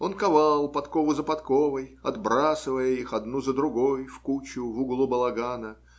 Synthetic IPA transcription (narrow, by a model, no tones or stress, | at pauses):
o̞nkɐvalˠpɐt̪kovʊzəpɐt̪kovəjɐ̰d̪bɾasɨvəjəixɐd̪nuzəd̪ɾʊɡo̞jfkut͡ɕʊvuɡlˠubəlˠɐɡanə